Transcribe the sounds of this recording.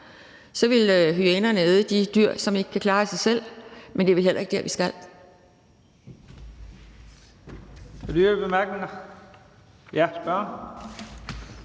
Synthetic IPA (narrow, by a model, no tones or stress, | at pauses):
sɒ̽ʋe̝løɦyenɐnəeðˠəd̥id̥yɐ̰sɒ̽me̝ɡ̥əkʰækʰlɑ̈ːsɑ̈ɪsel̰mend̥e̝ʋelɦel̰ɐ̰eɡ̥̚d̥æɐʋisɡ̥æl̰ | æd̥yb̥emæɐɡ̥neŋɐ | jæsb̥ɶɐn